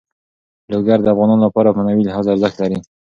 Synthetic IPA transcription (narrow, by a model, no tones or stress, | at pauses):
loɡaɾd̪əafɣɑnɑnolapɑɾamanawilaɦɑzaaɾzəkt̪laɾi